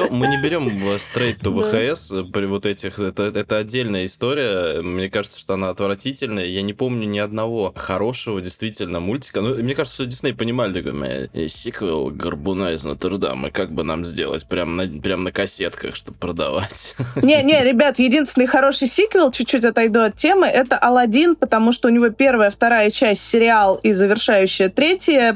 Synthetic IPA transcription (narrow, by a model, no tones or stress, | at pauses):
omɨnʲɪbʲɪɾʲo̞məst̪ɾejt̪ːʊvəxəɛspɾʲɪvo̞t̪ɛtʲɪxɛt̪əɛt̪əɐdʲːelʲnəjəɪst̪o̞ɾʲɪjəmnʲe̞kaʐɨt̪sə̥ʂt̪o̞ɐnaɐt̪vɾɐtʲitʲɪlʲnəjəjanʲɪpo̞mnʲʊnʲɪɐd̪̚nɐvo̞xɐɾo̞ʂəvədʲɪjst̪vʲitʲɪlʲnəmulʲtʲɪ̥kənumnʲekaʐt̪səʂt̪od̪ʲsʲitnɪpənʲɪmalʲɪd̪ʊko̰m̰ja̰sʲikvʲɪlˠɡərbʊnaɪznət̪ɨrd̪a̰mɨ̰kaɡ̚bɨna̰mzʲdʲḛlˠə̰tʲpɾʲamnɐpɾʲamnəkɐsʲet̪kə̰xʂt̪o̞bpɾəd̪ɐ̰vatʲnʲenʲeɾʲɪbʲat̪jɪdʲinsʲɪnəjxɐɾo̞ʂɨjsʲikvʲɪlˠt͡ɕʉt͡ɕːʉtʲɐt̪ɐjd̪uɐt̪tʲːemɨʔɛt̪əʔɐlˠɐdʲinpət̪ɐmuʂt̪oʊnʲɪvopʲe̞rvəjəft̪ɐɾajət͡ɕæsʲtʲsʲɪɾʲɪalˠizəvʲɪrʂajʉɕːɪjət̪ɾʲetʲɪjə